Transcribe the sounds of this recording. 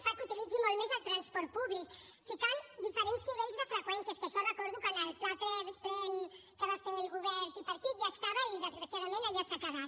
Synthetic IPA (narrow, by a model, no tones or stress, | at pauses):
fak̪ut̪ilid͡zimolmezalt̪ɾanspɔɾt̪̚puβlikfikand̪ifəɾent̪zniβɛʎzðəfɾəkwɛnsjaspəɾsɔrəkɔɾðukənəlplat̪ɾeðp̪ɾɛnkəβafeɾuβɛɾt̪ipaɾt̪it̪̚ʒaest̪aβaiðəzɣɾasjaðamẽnaiasakaβa